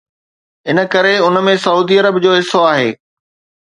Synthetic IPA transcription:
ɪnə̆kɐɾeʊnmẽsɐuːd̪iɐɾəbd͡ʑoːɦɪsːoaːɦeː

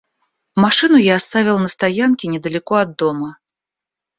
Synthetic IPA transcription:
maʂɨnujaːst̪avʲilwˠnɐst̪ajankʲinʲɛd̪ɐlʲɛkɔɐd̪ːɔmɐ

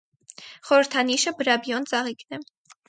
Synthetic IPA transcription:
χɔɾəɾt̪ʰɑniʃəbəɾɑbjɔnt͡sɑʁiknɛ

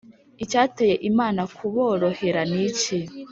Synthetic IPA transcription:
icaːteːje̞ʔimaːnakʰuβo̞ːɾo̞he̞ɾanici

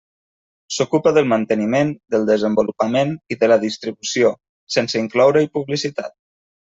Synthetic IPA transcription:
sukupəðəlˠmənt̪ənimend̪əlˠd̪əzəmbulupəmeniðələðist̪ɾiβusio | sensəiŋklɔwɾəipuβlisit̪a̰t̪̚

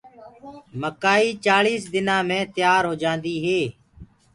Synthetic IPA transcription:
məkaːiːt͡ʃaːliːsd̪ɪnãːmẽːt̪ɪjaːɾɦoːd͡ʒãːnd̪iːɦeː

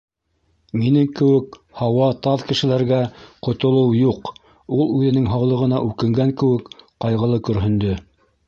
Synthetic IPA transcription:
minɘŋkɘ̆wɘkhɑwɑt̪ɑðkɘ̆ʃɘ̆læɾɡæqŏt̪ŏlˠɤwjuq | ulˠʉðɘ̆nɘŋɦɑwlˠɤ̆ʁɤ̆nɑ̰ʔʉkɘ̆ŋɡæŋkɘ̆wɘkqɑjʁɤ̆lˠɤkɵ̆ɾɦɘ̆nd̪ɵ

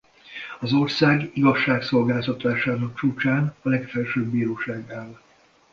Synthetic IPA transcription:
ɒzo̞rsaːɡiɡɒʃːaːkso̞lɡaːlt̪ɒt̪aːʃaːnɒk̚t͡ʃuːt͡ʃaːnɒlɛkfɛlʃøːbːiːɾoːʃaːɡaːl

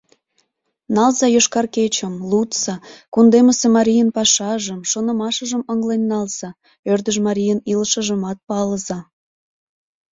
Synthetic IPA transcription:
nɑlzɑjoʃkɑrket͡ɕəmlut̪sɑkund̪eməsemɑɾʲijənpɑʃɑʒəmʃonə̆mɑʃəʒəməŋlenʲːɑlz̥ɑ | ørd̪əʒmɑɾʲijənilʃəʒəmɑt̪̚pɑləzɑ

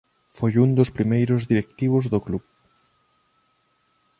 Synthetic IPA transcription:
fojund̪ʊspɾimejɾʊzðiɾek̚t̪iβ̞ʊzðokluβ

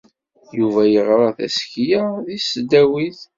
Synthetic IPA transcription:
juvæjəʁɾˤɑθæ̰skjaðisd̪æwiθ

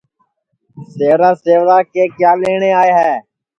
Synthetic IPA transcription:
seːʋɾaːseːʋɾaːkeːkjaːleːɳeːaːeːɦɛː

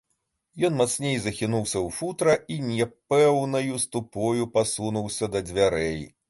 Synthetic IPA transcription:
jɔnmat̪snʲejzɐxʲinuwsʲɐwfut̪ɾɐinʲɛpɛwnɐjust̪upɔjupasunuwsʲɐd̪ɐd͡zʲvʲaɾɛj

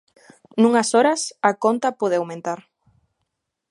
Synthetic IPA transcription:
nũŋasoɾɐsakont̪apoð̞ɪawmẽnt̪aɾ

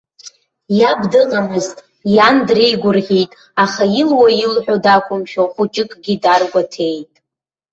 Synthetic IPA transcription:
jabdɨʁamɨztʼ | jandrejɡʷʊrʁʲitʼ | aχajilwajilħᶣodakʷʼʊmʃᶣoχʷut͡ʃʼɪkʼɡʲidarɡʷatʰe̞jtʼ

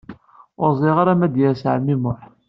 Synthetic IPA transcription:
ʊɾˤzˤɪʁaɾæmæd̪jæɾsʕmːimʊħ

